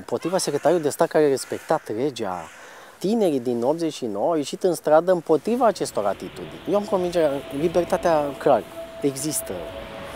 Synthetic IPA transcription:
mpo̞t̪ɾivasekɾet̪aɾulid̪e̞st̪at̪̚kaɾeare̞spe̞kt̪at̪re̞d͡ʒa̰ | t̪ine̞ɾid̪ino̞pt̪ze̞t͡ʃʲʃinowəawje̞ʃit̪ɨnst̪ɾad̪əɨmpo̞t̪ɾivaːt͡ʃe̞st̪o̞ɾa̰t̪it̪ud̪ḭnʲjewamko̞nvind͡ʒeɾalibe̞rt̪at̪eaklare̞ɡzist̪ə̰

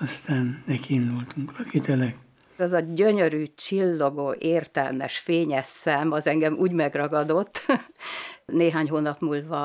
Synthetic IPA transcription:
ɒst̪aːnnɛkind̪ult̪uŋklɒkit̪ɛlɛk | ɒzɒɟøɲøɾyːt͡ʃilːo̞ɡoːʔeːrt̪ɛ̰lmɛ̰ʃfeːɲɛsːɛmɒzɛŋɡɛmʔṵːɟmɛɡrɒɡɒd̪o̞t̪ː | neːɦaːɲhɦoːnɒpmuːlvɒ

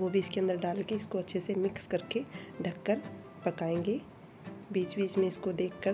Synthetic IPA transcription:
ʋobʱiɪskeɐ̃nd̪əɾɖaːlkeɪskoɐtːʃʰesemɪkskɐɾkeɖʱɐkːəɾ | pɐkaːẽːŋɡeː | biːt͡ʃbiːt͡ʃmẽɪskod̪eːkʰːəɾ

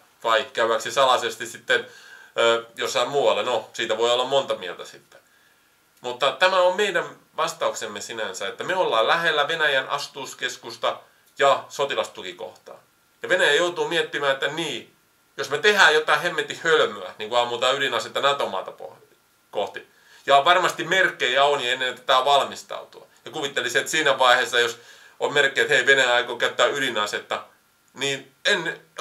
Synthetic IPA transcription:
ʋɑikkæyæksisɑlɑsest̪issit̪ːenøːjosːɑmuːwɑlːenosiːt̪æʋoiolːɑmmont̪ɑmielt̪æsit̪ːe̥ | mut̪ːɑt̪æmæommeidæn | ʋɑst̪ɑuksemːesinænsæet̪ːæmeolːɑːllæhelːæʋenæjænʔɑ̰st̪uːskeskust̪ɑ | jɑsot̪ilɑst̪ukiko̰ht̪ɑ̰ː | jɑʋenæjæjout̪uːmiet̪ːimæːet̪ːæniː | josmet̪ehæːjot̪ːˑɑihemːet̪ːihhølmøæ̰niːŋkuɑmuːt̪ɑylinɑset̪ːɑnæt̪omɑ̰ːt̪ɑpo̰ | koht̪i | jɑʋɑrmɑst̪imerkːejæonjenːent̪æ̥t̪æʋɑlmist̪ɑ̰ut̪uɑ̰jɑkuʋit̪ːeliset̪siːnæʋɑihesːɑjos | ommerkːˑeːet̪heiʋenæjæɑikokæyt̪ːæːylinɑset̪ːɑ | niːn | en

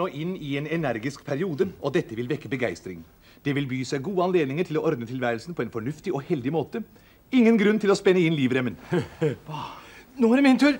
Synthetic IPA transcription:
oːʔɪnːɪɛːnɛnæɾɡɪskpʰæɾɪuːd̪əʔɔd̪ɛt̪ːəʋɪlʋɛkːəbəɡæɪst̪ɾɪŋ | d̪̥ɛʋɪlbyːsæɪɡuːəɑnleːd̪nɪŋəʈʰɪlɔʔɔɾd̪nət̪ʰɪlʋæːɾəlsn̩pʰɔɛnfɔɳʉft̪ɪɔhɛld̪ɪmoːt̪ə | ɪŋːənɡɾʉnːt̪ʰɪlɔspɛnːəɪnliːʋɾɛmːən | noːæɾmɛnt̪ʉɾ

